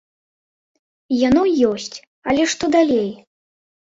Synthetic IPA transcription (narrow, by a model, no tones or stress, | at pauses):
janɔjɔsʲt͡sʲ | ɐlʲɛʂt̪ɔd̪alʲej